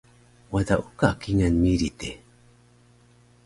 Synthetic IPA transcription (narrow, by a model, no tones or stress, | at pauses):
wad̪aʔukakiŋanmiɾit̪e